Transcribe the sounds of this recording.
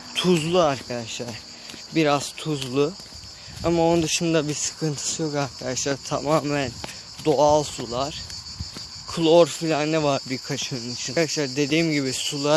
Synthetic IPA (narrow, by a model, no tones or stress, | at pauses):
t̪ʰuzlˠuaɾkʰad̪aʃlˠaɾ̥ | biɾaz̥t̪ʰuzlˠu | amaonund̪ɯʃɯnd̪abisɯ̥kʰɯnt̪ʰɯ̥sɯjo̞kaɾkʰad̪aʃlˠaɾt̪ʰa̰maːmæn | d̪o̞alˠsulˠaɾ̥ | kʰɯlˠoɾfilʲannːɛvaɾbiɾkʰat͡ʃʰɯnɯnit͡ʃʰind̪aʃlˠaɾd̪e̞d̪iːmɟibisulˠa